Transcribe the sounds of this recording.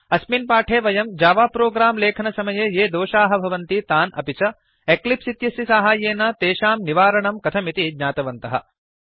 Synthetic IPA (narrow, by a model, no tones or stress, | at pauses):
ɐsminpaːʈʰeːʋɐjɐmd͡ʒaːʋaːpɾoːɡɾaːmleːkʰɐnɐsɐmɐjejeːd̪oːʃaːɦɐbʱɐʋɐnt̪it̪aːnɐ̰pit͡ʃɐ | eklipsit̪jɐsjisaːɦaːjeːnɐt̪eːʃaːmniʋaːɾɐɳɐmkɐt̪ʰɐmit̪id̪ɲaːt̪ɐʋɐnt̪ɐɦɐ̰